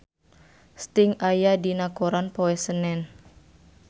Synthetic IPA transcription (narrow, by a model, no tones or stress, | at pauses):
st̪ɪŋajadinakoɾanpoɛsənɛn